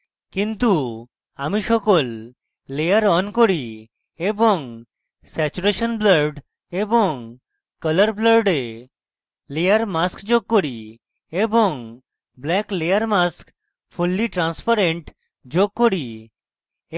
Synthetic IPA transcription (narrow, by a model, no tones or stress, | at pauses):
kĩnt̪u | amiɕɔkolː | ejəɾɔnkɔɾi | ebɔŋɡ | sɛt͡ɕuɾeɕənbləɾɖ | ebɔŋ | kələɾbləɾɖe | lejəɾmaskd͡ʑoɡ̚kːɔɾi | ebɔŋɡ | blɛklejəɾmask | fulːiʈɾãnspaɾeɳʈ | d͡ʑoɡ̚kːɔɾi